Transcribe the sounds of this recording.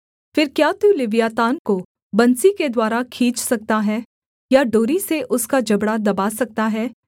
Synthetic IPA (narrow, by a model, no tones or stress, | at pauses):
fɪɾkjaːt̪uːlɪʋjaːt̪aːnko | bɐnsiked̪waːɾakʰiːt͡ʃsɐk̚t̪aɦɛː | jaɖoːɾiseʔʊskad͡ʒɐbɽad̪ɐbaːsɐk̚t̪aɦɛː